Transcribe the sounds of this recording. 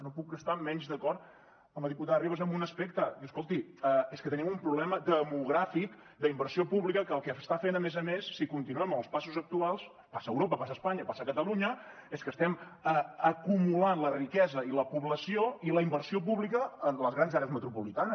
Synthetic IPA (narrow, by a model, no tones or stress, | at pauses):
nopuk̚ɡəst̪amɛɲzðəkɔrt̪ | əməðiput̪aðəriβəzəmbunəspek̚t̪əəskolˠt̪iəeskət̪ənimumpɾuβlɛməd̪əmuɣ̞ɾafik | d̪əimbəɾsiopuβlikəkəːlˠkɛəst̪afenəmezəmesːikunt̪inuɛməəlˠspasuzək̚t̪ualˠs | pasəːwɾopəpas̬əːspaɲəpasəkət̪əluɲə | eskəst̪ɛməəkumulanlərikɛzəiləpuβləsioiləimbəɾsiop̬uβlikəːnləzɣɾanzaɾeəzmət̪ɾupulit̪anəs